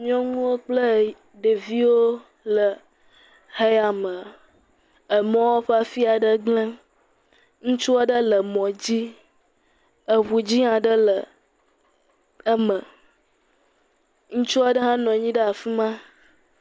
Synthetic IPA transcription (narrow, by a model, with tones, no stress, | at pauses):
mĩ˦ɔ̃˦ŋũ˦wo˦k͡plə˦ | ɖe˨vi˦wo˦ | lə˨ | he˦a˨mə̃˨ | ə˨mɔ̃˦wo˦ɸa˦fi˦a˨ɖə˦ɡ͡blə̃˦ | ŋũ˦t͡ʃu˦a˦ɖə˦lə˨mɔ̃˨d͡ʑi˦ | ə˨ɦu˨d͡ʑi˦ã˨ɖə˦lə˨ | ə˦mə̃˨ | ŋũ˦t͡ʃu˦a˨ɖə˦ɦã˦nɔ̃˨ɲĩ˦ɖə˦a˨fi˦mã˦